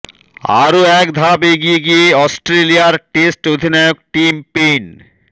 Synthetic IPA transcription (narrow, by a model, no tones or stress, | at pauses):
a̰ɾoɛkd̪ʱabeɡieɡieɔsʈɾelijaɾʈesʈod̪ʱinajok̚ʈimpen